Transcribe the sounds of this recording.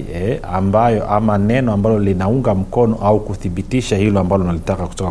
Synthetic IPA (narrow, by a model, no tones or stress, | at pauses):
ɛambajɔʔamanɛnɔambalɔlinauŋɡam̩kɔnɔʔaukuθiɓitiʃahilɔambalɔnalitakaku̥tɔka